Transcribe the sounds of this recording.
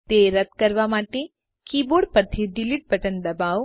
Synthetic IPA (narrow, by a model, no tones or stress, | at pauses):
t̪eɾət̪̚kəɾʋamaʈe | kiboɽpəɾt̪ʰiɖiliʈ̚bʱəʈənd̪əbaʋ